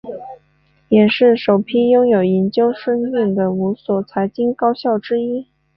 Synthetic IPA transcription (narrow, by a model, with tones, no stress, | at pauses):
jɛ˨˩ʂɻ̩˥˩ʂo˨˩ʊpʰi˥jʊ˥ŋjo˨˩ʊi˧˥nt͡ɕjo˥ʊʂɤ˥ŋmi˥˩ŋd̪ə˩u˧˥swɔ˨˩t͡sʰa˧˥ɪt͡ɕi˥ŋkɑ˥ʊɕjɑ˥˩ʊʈ͡ʂɻ̩˥i˥